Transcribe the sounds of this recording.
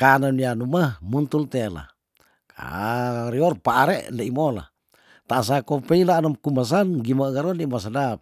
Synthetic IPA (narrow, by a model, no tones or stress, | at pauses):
kananianumahmunt̪ult̪ela̰ | ka̰ɾiɔrpaʔaɾeʔndeimola̰ | t̪as̬akopeilaːnɔmkuməs̬anɡimaɡaɾɔnimasadap̚